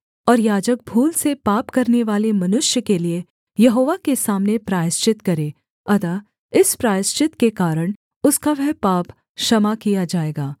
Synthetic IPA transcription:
ɔːɾjaːd͡ʒək̚bʱuːlsepaːpkɐɾneʋaːlemɐnʊʃjəkelie | jɐɦoːʋakesaːmnepɾaːjɪst͡ʃɪt̪kɐɾeː | ɐt̪aː | ɪspɾaːst͡ʃɪt̪kekaːɾəɽ̃ | ʊskaʋɛɦpaːp | ʃɐmakijad͡ʒaːeːɡaː

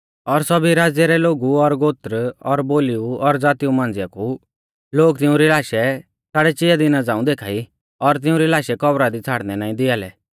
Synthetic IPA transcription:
ɔɾsɔbiɾaːd͡zjɛɾɛloːɡuɔɾɡoːt̪ɾɔɾboːliuɔɾd͡zaːt̪iumãːn̆d͡zɪjaku | loːɡt̪ɪũɾilaːʃɛ | t͡sʰaːɽɛt͡ʃɪjad̪inad͡zãːũd̪eːkʰa̰ːi | ɔɾt̪̬ɪũɾilaːʃɛkɔbɾad̪it͡sʰaːɽnɛnaːĩd̪ɪalɛ̰

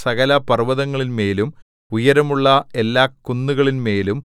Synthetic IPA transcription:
sɐɣɐlɐpɐrʋɐðɐŋːɐɭinme̞ːlum | ujɐɾɐmuɭːɐe̞lːaːkːunːuɣɐɭinme̞ːlum

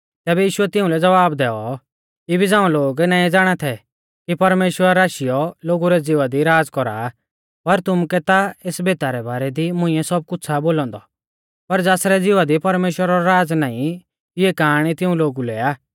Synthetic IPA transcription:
t̪ɛːbɛjiːʃʊɛt̪ɪʊ̃lɛd͡zɐʋaːbd̪ɛːɔ | kibʱid͡zãːũloːɡnaːĩd͡zaːɽ̃at̪ʰɛ | kipɐɾmeːʃwəɾɾaːʃijɔloːɡuɾɛd͡zɪʋad̪iɾaːd͡zkɔɾa̰ | pɐɾt̪ʊmkɛt̪aeːsbeːt̪aɾɛbaːɾɛd̪imʊ̃ɪ̃jɛsɔb̚kʊt͡sʰaboːlɔ̃ːnd̪ɔ | pɐɾd͡zaːsɾɛd͡zɪʋad̪ipɐɾmeːʃwəɾaɾɔɾaːd͡znaːĩ | ɪɛkaːɽ̃it̪ɪũloːɡulɛaː

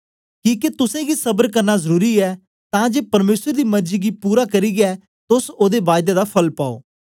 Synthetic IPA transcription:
kĩːket̪ʊsẽɡiːsəbəɾkəɾnaːzəɾuːɾiːɛː | t̪ãːd͡ʒeːpəɾmeːsəɾd̪iːməɾd͡ʒiːɡiːpuːɾaːkəɾiːɡɛː | t̪ʊsoːd̪eːʋaːɪd̪eːd̪aːpʰəlpaːo̰ː

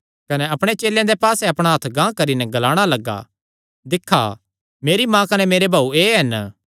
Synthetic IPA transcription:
kɐnɛɐpɽ̃et͡ʃeːljãd̪epaːsɛɐpɽ̃aɦɐt̪ʰɡãːkɐɾinɛɡɐlaːɽ̃alɐɡa̰ | d̪ɪkʰːa̰ | meːɾimãːkɐnɛmeːɾebʱaːueːɦɐn

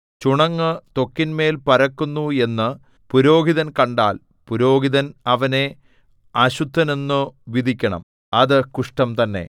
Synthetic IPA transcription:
t͡ɕuɳɐŋːɨt̪o̞kːinme̞ːlpɐɾɐkːunːue̞nːɨ | puɾo̞ːɡiðɐnkɐɳɖa̰ːl | puɾo̞ːɡiðɐnɐʋɐne̞ | ɐɕud̪ʱːɐne̞nːuʋid̪ʱikʲːɐɳɐ̰m | ɐðɨkuʂʈɐmt̪ɐnːe̞̰

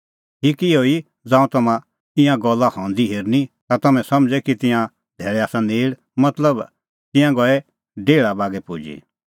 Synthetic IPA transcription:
ɦikioi | d͡zãːũt̪ɐmã | ɪ̃jãɡɔlːahɔ̃nd̪iɦeɾnit̪at̪ɐmɛ̃sɐmd͡ʒɛkit̪ɪ̃jã | d̪ʱɛːɭɛaːsãneːɽ | mɐt̪ləb | t̪ɪ̃jãɡɔɛ | ɖeːɭabaːɡɛpud͡ʒḭ

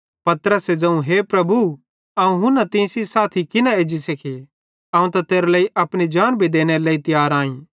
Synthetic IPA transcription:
pɐt̪ɾəsed͡ʒɐũɦeːpɾɐbu | aːũɦʊ̃nɐt̪ɪ̃ːsisaːt̪ʰikɪnaeːd͡ʒisɐkʰe | ãːũt̪at̪eːɾaleːiʔɐpɽ̃id͡ʒaːnbʱid̪eːñeɾleːit̪ɪjaːɾãːĩ

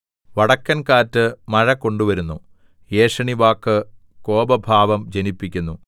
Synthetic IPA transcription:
ʋɐɽɐkːɐnkaːtːɨmɐɻɐkːo̞ɳɖuʋɐɾunːu | je̞ːʂɐɳiʋaːkːɨ | ko̞ːbɐbʱaːʋɐmd͡ʑenipːikʲːunːu

